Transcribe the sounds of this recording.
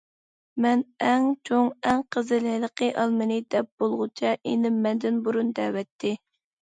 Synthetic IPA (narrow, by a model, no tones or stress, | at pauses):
mɛnɛŋt͡ʃʰoŋɛŋqʰəzɨlɪlˠəqʰəʔɑlˠmɨnɪd̪ɛp̚b̥olˠʁʊt͡ʃʰɑʔenɪmːɛnd̪ɪnbuɾund̪ɛːwɛt̪ʰːɪ